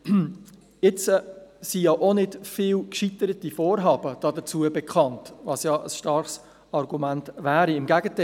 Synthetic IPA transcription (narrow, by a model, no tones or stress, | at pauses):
ɪt͡səsijɑʔonɪdfɪːwkʃitəɾətifɔːɾɦɑːbəd̥ɑdət͡suəbɛkχɑntvɑsjɑʔəsʃtɑɾχs | ɑɾɡumæntvæːɾiɪmɡæɡətɛ